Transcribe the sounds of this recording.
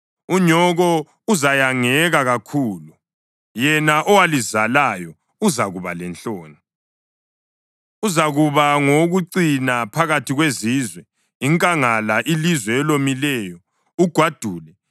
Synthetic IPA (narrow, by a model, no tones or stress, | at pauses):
uɲɔɣɔ | uzajaŋɛɣaɣakʰuːlu | jɛnaʔɔwalizalajɔ | uzaɣuβalɛnt͡ɬʼoːni | uzaɣuβaŋoɣuǀinapʰaɣatʰiɣwezizwɛ | iŋkʼaŋalaʔilizwɛːlomilɛːjɔ | uɡ̥ʱwad̥ʱuːlɛ